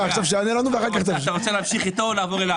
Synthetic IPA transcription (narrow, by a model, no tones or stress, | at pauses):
aʁt͡savʃeanelanuveaχaʁkaχt͡saʃaʁot͡seleːamʃiχit̪o̞laːvo̞ʁela